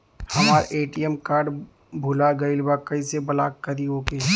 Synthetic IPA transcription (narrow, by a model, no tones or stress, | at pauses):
hɐmaːɾeːʈiɛmkaːɾɖ | bʱulaɡɐɪlbakɐisebɐla̰ːkːɐɾiɦoːke